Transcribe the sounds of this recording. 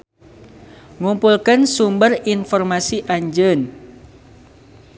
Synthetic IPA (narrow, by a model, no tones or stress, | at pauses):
ŋumpulkənsumbərinfɔrmasiʔaɲd͡ʒən